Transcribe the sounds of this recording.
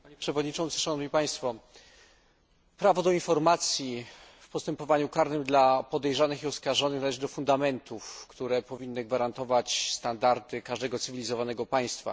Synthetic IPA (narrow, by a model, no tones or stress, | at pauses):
paɲɛpʂɛvɔd̪ɲit͡ʂɔnt̪sɘ̥ʂanɔvɲipaj̃st̪fɔ | pɾavɔd̪ɔinfɔɾmat̪sʲji | fpɔst̪ɛmpɔvaɲukaɾnɘmd̪lapɔd̪ɛjʐanɘxiɔskaʐɔnɘxnalɛʐɘd̪ɔfund̪amɛnt̪ufkt̪uɾɛpɔvʲinːɘɡvaɾant̪ɔvat͡ɕst̪and̪aɾd̪ɘkaʐd̪ɛɡɔt̪sɘvʲilʲizɔvanɛɡɔpaj̃st̪fa̰